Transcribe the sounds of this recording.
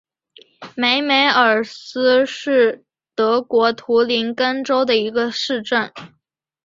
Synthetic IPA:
me˧˥ɪme˧˥ɪə˞˨˩sɹ̩˥ʂɻ̩˥˩ | t̪ɤ˧˥kwɔ˧˥t̪ʰu˧˥li˧˥nkə˥nʈ͡ʂo˥ʊd̪ə˨i˧˥ɡə˧ʂɻ̩˥˧ʈ͡ʂə˥˩n

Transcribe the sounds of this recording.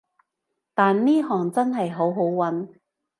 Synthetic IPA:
t̪aː˨nniː˥ɦɔː˨ŋt͡sɐ˥nɦɐ˨jɦo˨˥wɦo˨˥wwɐ˨˥n

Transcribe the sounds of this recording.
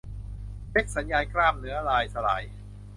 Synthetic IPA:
le˦˥k̚sa˩˦njaː˧jkɾaː˥˩m̚nɯ˩˦ɐlaː˧jsa˧la̰ː˩˦j

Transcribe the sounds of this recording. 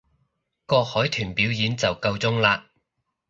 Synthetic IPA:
kɔː˧k̚hɔː˨˥jt̪ʰyː˨˩npiː˨˥wjiː˨˥nt͡sɐ˨wkɐ˧wt͡sʊ˥ŋlaː˧

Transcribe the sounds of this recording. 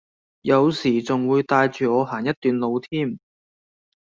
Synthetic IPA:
jɐ˨˧wsiː˨˩t͡sʊ˨ŋwuː˨˧jt̪aː˧jt͡ʃyː˨ɔː˨˧ɦaː˨˩njɐ˥t̚t̪ːyː˨nlo˨˧wt̪ʰiː˥˩m

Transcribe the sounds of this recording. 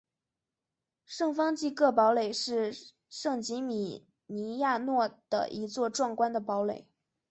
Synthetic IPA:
ʂɤ˥˩ŋfɑ˥ŋt͡ɕi˥˧kɤ˥˩pɑ˧˥ʊle˨˩ɪʂɻ̩˥˧ | ʂɤ˥˩ŋt͡ɕi˧˥mi˨˩ | ni˧˥ja˥˧nwɔ˥˩d̪̥ə̰˩ʔi˧˥t͡swɔ˥˧ʈ͡ʂwɑ˥˩ŋkwa˥nd̪ə˨˩pɑ˧˥ʊle˨˩˦ɪ

